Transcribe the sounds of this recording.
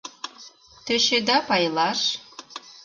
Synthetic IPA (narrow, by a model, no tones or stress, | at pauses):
t̪ɘ̆ɕĕd̪ɑpɑjlɑʃ